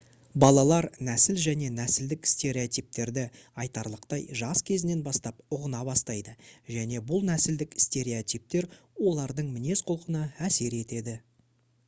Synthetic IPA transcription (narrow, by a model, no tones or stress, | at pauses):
bɑlˠɑlˠɑɾnæsɪlʒæne̞næsɪld̪ɪkst̪e̞ɾeot̪ijp̚t̪e̞ɾd̪ɪɑjt̪ɑɾlˠəqt̪ɑjʒɑskʲʰe̞zɪne̞nbɑst̪ɑp̚ʊʁənɑbɑst̪ɑjd̪əʒæne̞bʊlˠnæsɪld̪ɪkst̪e̞ɾeot̪ijp̚t̪e̞ɾ | wo̞lˠɑɾd̪əɴmɪne̞sqʰolˠqənəæse̞ɾe̞t̪e̞d̪ɪ